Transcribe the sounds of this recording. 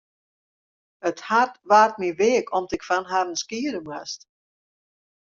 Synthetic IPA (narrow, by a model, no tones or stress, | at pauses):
əthartʋaːrt̚miʋeəkʰɔmtɪkfanɦarənskiːədəmwast